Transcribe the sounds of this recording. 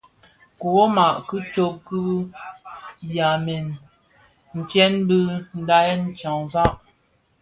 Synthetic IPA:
ku˨o˦ma˨ʔkɨ˦t͡ʃo˦ku˦ | ja˨mɛ˨n | n̩˨t͡ʃjɛ˦nbɨ˦n̩˦da˦ɛ˦n˦t͡ʃa˨ŋza˦ʔ

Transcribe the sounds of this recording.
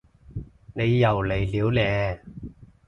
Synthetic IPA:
ne˨˧jːɐ˨˩wle˨˩jliː˨˧wlɛː˨˧

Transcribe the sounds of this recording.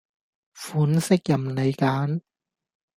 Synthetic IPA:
fuː˨˥nsɪ˥k̚jɐ˨˩mne˨˧jkaː˨˥n

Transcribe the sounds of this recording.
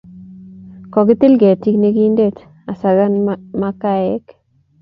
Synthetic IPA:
kɔ˨kɪ˦t̪ɪ˦lɡɛ˨ti˦kne˦ki˦nde˦t | a˨sa˨ɡa˦nmakaɛ˦k

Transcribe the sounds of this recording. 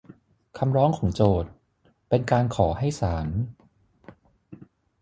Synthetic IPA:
kʰa˧mɾɔː˦˥ŋkʰɔː˩˦ŋt͡ɕoː˨˩t̪̚ | pe˧nkaː˧nkʰɔː˩˦ha˥˩jsaː˩˦n

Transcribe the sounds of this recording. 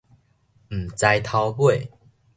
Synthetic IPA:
m̩˨˩t͡sa˧jt̪ʰa˧wbwe˥˨

